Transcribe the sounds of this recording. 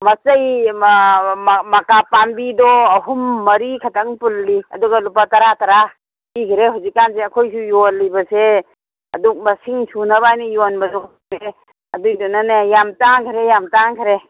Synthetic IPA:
mɐt͡ʃɐj | mɐkapambidɔːɦumːɐɾikʰɐtɐŋpulːiɐ̰duɡalupatɐɾatɐɾa | pikʰiɾeɦuwzikːanseɐkʰojsujolːijbɐse | ɐ̰duk̚mɐsiŋsunɐbajnijonbɐzuŋ | ɾe | ɐdujdɔnanejamtaŋkʰiɾejamtaŋkʰɐɾe

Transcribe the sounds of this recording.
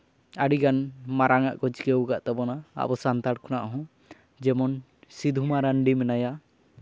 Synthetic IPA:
aɽiɡanmaɾʔaŋaʔkɔd͡ʒkɛwɡaʔt̪abɔna̰ːʔbɔsant̪aɽkʰɔnaʔɦɔ̃ | d͡ʒɛmɔn | sid̪ʱumaɾaɳɖimɛnaja

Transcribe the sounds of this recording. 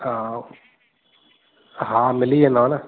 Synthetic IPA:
a | ɦãmɪlienoːna

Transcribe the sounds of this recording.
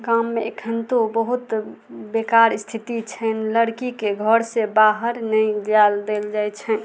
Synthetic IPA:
kamːeekʰənt̪obəɦut̪ | bekaɾst̪ʰit̪it͡ʃʰənləɽkikeɡʱəɾsebaɦəɾnəɪ̃d͡ʒald̪eld͡ʒajt͡ʃʰɛ

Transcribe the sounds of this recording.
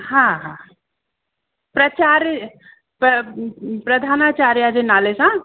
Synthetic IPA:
hãɦã | pɾət͡ʃaɾ | pəpɾəd̪ʱanat͡ʃaɾjad͡ʒenalesã

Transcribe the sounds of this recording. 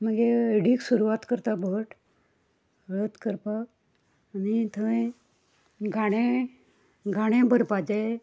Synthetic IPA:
məɡeəɽiːksuɾuʋat̪kəɾt̪abʱəʈ | ɾət̪kəɾpaː | nit̪ʰəʋẽ | ɡʱaɽ̃ẽ | ɡʱaɽ̃ẽbəɾpad͡ze

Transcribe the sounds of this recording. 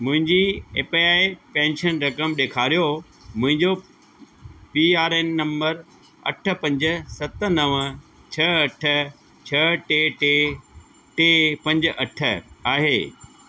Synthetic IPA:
mʊ̃ɦɪ̃ɲd͡ʑiḛːpiaːipɛ̃ːnʃənɾɐkəmɗeːkʰaːɾijo | mʊ̃ɦɪ̃ɲd͡ʑo | piːaːɾeːnːɐ̃mbəɾ | ɐ̰ʈʰə̆pɐ̃ɲd͡ʑ̆sɐt̪ə̆nɐʋ | t͡ɕʰɐɐʈʰə̆ | t͡ɕʰɐʈeːʈe | ʈeːpɐ̃ɲd͡ʑʔɐʈʰə̆aːɦeː

